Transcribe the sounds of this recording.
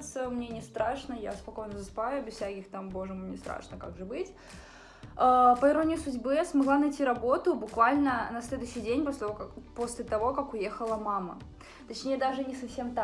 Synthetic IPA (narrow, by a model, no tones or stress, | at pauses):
t̪səmnʲenʲɪst̪ɾaʂnəja̰spɐko̞jnəzəsɨ̥pajʊbʲɪsfsʲækʲɪxt̪ambo̞ʐɨmɨmnʲest̪ɾa̰ʂnəka̰ɡʐɨbɨtʲ | əpəɪɾo̞nʲɪjʊsʊdʲbɨsmɐɡlˠanɐjtʲiɾɐbo̞t̪ʊbʊkvalʲnənɐsʲlʲe̞d̪ʊɕːɪjdʲenʲposʲlʲɪt̪vpo̞sʲlʲɪt̪ɐvo̞kakʊje̞xəlˠəmamə̰ | t̪ɐt͡ɕnʲejəd̪aʐɨnʲɪsɐfsʲe̞mt̪a